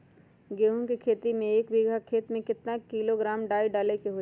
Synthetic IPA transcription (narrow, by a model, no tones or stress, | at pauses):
ɡeːɦũkikʰeːt̪imẽeːkbiɡʱakʰeːt̪mẽkɪt̪nakiːloɡɾaːmɖaːiɖaːlekeɦo